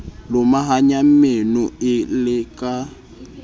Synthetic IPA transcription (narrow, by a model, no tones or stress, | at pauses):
lʊmaɦaɲam̩menʊɪlɪkʼa